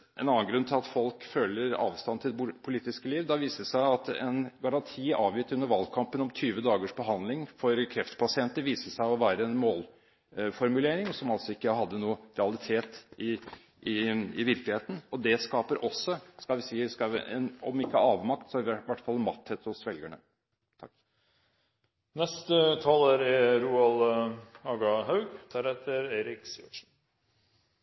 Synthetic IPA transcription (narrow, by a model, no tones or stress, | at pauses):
ʔɛ̰nɑnːənɡɾʉnt̪ʰɪlɑt̪fɔlkføːləɾɑ̰ːʋst̪ɑnːt̪ʰɪld̪ɛpʰʊliːt̪ɪskəliːʋd̪ɑʋiːsəʂæɪɑt̪ɛ̰nɡɑɾɑnt̪ʰiːɑːʋjɪt̪ːʉnːəɾʋɑlkʰɑmpənɔmt̪ʰyːʋəd̪ɑːɡəʂbəɦɑnd̪lɪŋfɔɾkʰɾɛft̪pʰɑsɪɛnt̪əɾʋiːsəʂæɪɔʋæːɾəɛnmoːl | fɔɾmʉleːɾɪŋsɔmɑlsɔɪkːəɦɑd̪ːənuːəɾɛɑlɪt̪ʰeːt̪ɪ | ʔɪɪʋɪɾklɪheːt̪ən̩ɔd̪ɛskɑːpəɾʔɔsːɔskɑlʋɪsiːskɑ̰ɛ̰nɔ̰mɪkːəhɾɑːʋmɑkt̪sɔæɾɪʋæʈːfɑlnmɑt̪ʰːheːt̪hʊsʋɛlɡæɳə | t̪ʰɑkː | nɛst̪ət̪ʰɑːlæɾɛɾuːɑlɑːɡɑhɑʉɡt̪ʰæɾɛt̪ːəɾeːɾɪksiɔʂn̩